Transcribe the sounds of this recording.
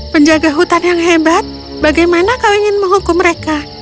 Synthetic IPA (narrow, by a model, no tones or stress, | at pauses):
pəɲd͡ʒaɡaɦut̪anjaŋɦebat̪̚ | baɡajmanakawiŋɪnməŋɦukʊmːəɾeka